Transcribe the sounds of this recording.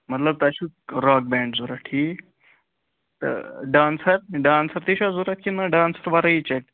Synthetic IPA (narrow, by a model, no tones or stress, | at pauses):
mət̪ləb̚t̪aɕuɾɔk̚bɛ̃ɳɖd͡zoɾaʈʰiː | t̪ə̰ɖãːnsəɾɖãːnsəɾt̪eɕad͡zoɾat̪̚kinaɖaːnsəɾʋaɾait͡ɕek̚